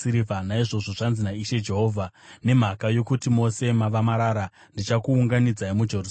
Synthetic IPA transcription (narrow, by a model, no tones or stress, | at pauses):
iɾivanaiʐo̞ʐo̞ʐanzinaiʃe̞d͡ʒe̞ɦo̞ːvʱane̞m̤akajo̞kutimo̞se̞maʋamaɾaːɾa | ndit͡ʃakuːŋɡanid͡zaimud͡ʒe̞rus